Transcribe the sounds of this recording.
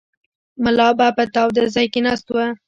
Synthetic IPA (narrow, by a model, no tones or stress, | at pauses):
mʊlɑbapət̪ɑwd̪əzɑjkenɑst̪owa